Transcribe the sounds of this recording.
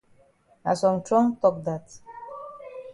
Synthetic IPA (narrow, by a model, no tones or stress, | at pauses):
a̰sɔ̃mtʰɹɔ̃ŋtɔk̚d̪at